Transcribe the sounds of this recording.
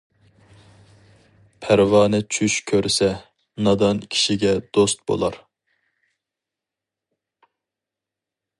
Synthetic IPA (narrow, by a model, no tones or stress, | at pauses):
pʰæɾvɑːnɛt͡ʃʰyʃkʲʰøɾsɛ | nɑd̪ɑnkʲʰi̥ʃiɡʲɛd̪̥ost̪̚bo̰lˠɑɾ